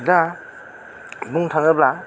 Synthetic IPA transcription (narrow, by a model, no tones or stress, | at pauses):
da | buŋtʰaŋɯbla